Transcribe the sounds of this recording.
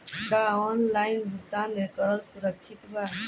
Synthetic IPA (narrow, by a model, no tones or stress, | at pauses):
ɡaɔnlainbʱut̪anekəɾəlsuɾək̚t͡ʃʰit̪ba